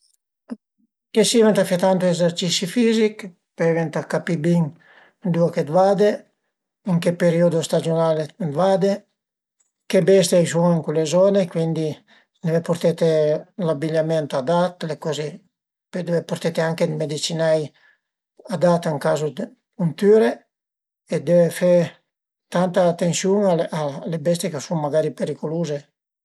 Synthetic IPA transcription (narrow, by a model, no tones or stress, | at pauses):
kesivɛnt̪afjat̪ant̪uezeɾt͡ʃisifizik | pevent̪akapibiŋ | d̪uaked̪vad̪e | əŋkepeɾiod̪ost̪ad͡ʒionalevad̪e | kebɛst̪eajsueŋkulezɔnekwind̪i | nevepuɾt̪et̪elabiʎamɛnt̪ad̪at̪lekɔze | pød̪evepoɾt̪et̪eaŋked̪med̪it͡ʃinaj | ad̪at̪əŋkazod̪ | unt̪yːɾe | ed̪evefɛ | t̪ant̪aːt̪ːensjuŋalalebɛs̬t̪ekasuŋmaɡaɾipeɾikoluːze